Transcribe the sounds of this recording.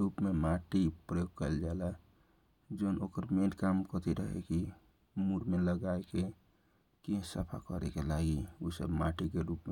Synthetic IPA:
ɾuːpmemaʈipɾəjoːɡ̚kəld͡ʒala | d͡ʒoːnʔoːkəɾmenkaːmkət̪iɾə̰ɦḛki | muɾmeləɡaeke | kĩsəpʰa̰kəɾḛkelaːɡiusə̰bmaʈikeɾupme

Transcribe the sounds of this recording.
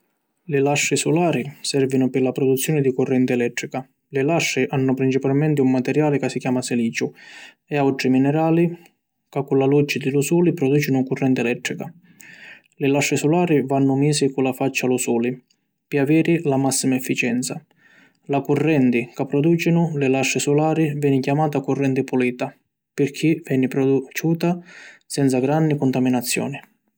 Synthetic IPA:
lɪlaʃːɪsulaːɾisɛrvinʊpɪlapɾɔd̪ut̪sːjɔːnɪd̪ikʊrːɛnt̪ɪɛlɛt̪ːɾika | lɪlaʃːɪʔanːʊpɾint͡ʃipalmɛnt̪ɪumːat̪ɛɾjaːlɪkasːikjaːmasɛliːt͡ʃʊ | ɛawʈɾiminɛɾaːli | kakːulalud͡ʒːɪd̪ɪlusuːlipɾɔd̪uːt͡ʃɪnʊkurːɛnt̪ɪɛlɛt̪ːɾika | lɪlaʃːɪsɔlaːɾivanːʊmiːsɪkulafat͡ʃːalusuːli | piavɛːɾɪlamasːimaɛfːit͡ʃɛnt̪sa | lakurːɛnt̪ɪkapːɾɔd̪uːt͡ʃinʊlɪlaʃːɪsulaːɾivjɛːnɪcjamaːt̪akurːɛnt̪ɪpuliːt̪a | pɪrkʰivɛnipɾɔd̪ut͡ʃuːt̪asɛnt̪saɡɾanːikʊnt̪aminat̪sːjɔ̰ːnɪ

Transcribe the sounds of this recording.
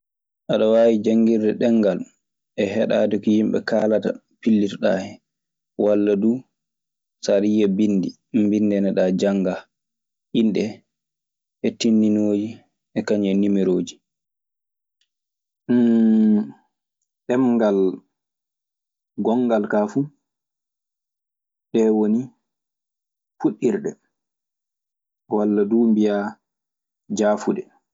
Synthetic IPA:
ʔaɗɔwaːwid͡ʒaŋɡiɾdɛɗɛŋːɡal | ʔɛɦɛɗa̰ːdɛkɔjimɓɛ̰kaːlata̰ | pilːitɔɗaːhɛ | walːadu | saɾijabindi | mbindɛnɛɗad͡ʒaŋɡa | ʔinɗɛ | ʔɛtinːinoːd͡ʒi | ʔɛkaɲɛnimiɾoːd͡ʒi | ɗɛmɡal | ɡɔŋɡalkafu | ɗɛwoni | fuɗːiɾɗɛ | walːaduːmbija | d͡ʒaːfudɛ

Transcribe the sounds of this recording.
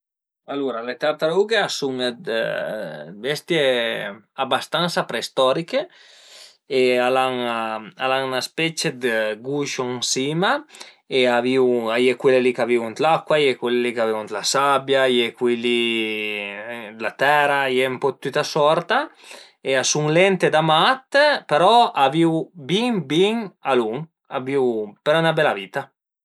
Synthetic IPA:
aluɾalet̪ɛɾt̪aluɡeasuŋd̪ | bɛst̪je | abast̪ansapɾest̪ɔɾike | ealaŋalaŋnaspɛt͡ʃed̪eɡuʃoŋsima | eaviwajekwelelikaviunt̪lakwajekwelelikaviunt̪lasabjajekwili | lat̪ɛɾajɛumpɔt̪ːut̪asɔɾt̪a | easuŋlɛnt̪ed̪amat̪peɾɔaviwbiŋbiŋaluŋ | aviwpeɾɔnabɛlavit̪a

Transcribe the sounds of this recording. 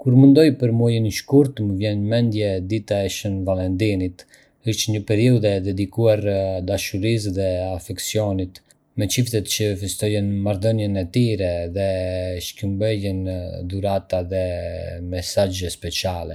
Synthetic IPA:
kuɾmund̪ɔjpəɾmuɔjəniʃkuɾt̪məvjɛnmɛnd̪jɛd̪it̪aɛʃənvalɛnd̪init̪ | əʃtɲəpɛɾiuðɛd̪ɛd̪ikuaɾd̪aʃuɾis̬ðɛafɛksiɔnit̪ | mɛt͡ʃift̪ɛt̪t͡ʃəfist̪ɔjɛnmaɾðɔnjɛnɛt̪iɾɛðɛʃkumbɛjɛnd̪uɾat̪aðɛmɛsad͡ʒəspɛt͡ʃjalɛ

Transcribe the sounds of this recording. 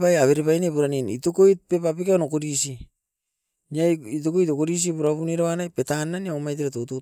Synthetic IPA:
pajaβe̞ɾepajnepuɾaninḭtokojt̚pe̞papikaonokodisi | niait̬okojt̬okoɾis̬ipuɾaβuniɾaβanajpe̞tanːaniaomajt̬iɾatoto

